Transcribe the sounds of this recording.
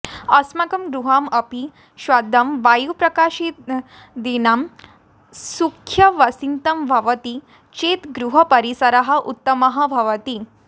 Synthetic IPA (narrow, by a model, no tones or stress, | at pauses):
ɐsmɐkɐmɡɾuɦaːmɐpi | ʃʋad̪ʱɐmʋaːjupɾɐkaːʃit̪ | d̪inaːm | sukʰjɐʋɐsint̪ɐmbʱɐʋɐt̪i | t͡ʃeːt̪ɡɾuɦɐpɐɾisɐɾɐɦɐ̆ʔut̪ːɐmɐɦɐbʱɐʋɐt̪i